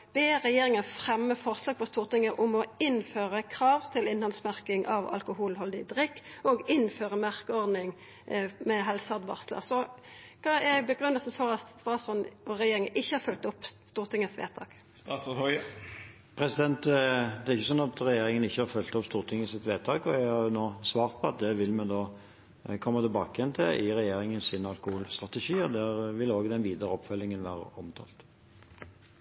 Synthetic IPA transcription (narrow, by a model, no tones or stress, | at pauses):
ʋɛʁɛjeːʁɪŋəfʁɛmːəfɔʁslɑːɡ̚pɔst̪uːʁt̪ɪŋːəʔʊmɔɪnføːʁəkʰʁɑːʋt̪ʰɪlɪnhɑnsmæʁkɪŋʔɑ̰ʋɑ̰lkʊhuːlhɔld̪ɪd̪ʁɪkːɔɡɪnføːʁəmæʁkəɔʁd̪nɪŋ | mɛɦɛlsɑʁd̪bɑ̰ʁslə̰ʁsɔ | kʰɑæbəɡʁʉnːəlsn̩fɔʁɑt̪st̪ʁɑːsɔnɔʁɛjeːɾɪŋəʔɪçːəhɑɾfœlt̪ɔpst̪uːʁt̪ʰɪŋəsʋḛːt̪ʰɑ̰ːk | st̪ɑsɔɔ | pʰɾɛsɪd̪ɛnt̪d̪ɛæɾɪçːəs̬ɔnɑt̪ɾɛjeːɾɪŋənɪçːəhɑɾfœlt̪ɔpst̪uːʁt̪ʰɪŋːəsɪt̪ʋeːt̪ʰɑːkɔæɡhɑɾjʊnoːsʋɑːɾʁt̪̚pʰɔɑt̪̚d̪ɛʋɪlːmɛnd̪oː | kʰɔmːət̪ɪlbɑːkəjɛnt̪ʰɪlʔɪʁɛjeːɾɪŋənsɪnɑlkʊhulst̪ɾɑt̪ɛʂiːɔd̪æɾʋɪloːɡd̪ɛnʋiːd̪əɾəɔpːfœlːɪŋənʋæːɾə̰ɔmt̪ʰɑ̰ːlt̪